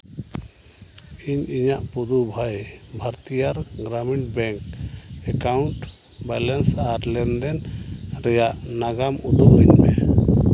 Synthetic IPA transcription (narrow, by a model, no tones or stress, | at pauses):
iɲiɲaʔpud̪ubʱajbʱaɾt̪ijaɾɡɾamiɳʈ̚bɛŋkɛkawɳʈ | bɛlɛnsaɾlɛnd̪ɛnɾɛjaʔnaɡamud̪uʔiɲmɛ